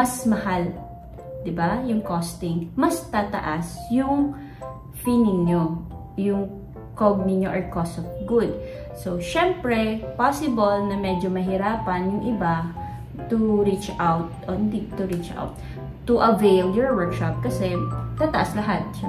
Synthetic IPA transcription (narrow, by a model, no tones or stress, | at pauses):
mɐsmɐhal | d̪ɪbajʊŋkost̪ɪŋmɐst̪at̪ɐ̰ʔasjʊŋ | finɪŋɲo | jʊŋ | koɡ̚nɪɲoʔɔɹkosɔfɡud̪̚ | soʃɛmpɹɛpasɪbɐlnɐmɛd͡ʒomɐɦɪɾaːpɐnjʊŋʔɪba | t̪ʊɹit͡ʃawt̪̚ʔohɪnd̪it̪ʊɾit͡ʃʔa̰wt̪̚ː | ʊʔɐvejljɔɹwɛɹkʃɐp̚kɐsɛt̪at̪ɐʔaslɐɦat̪̚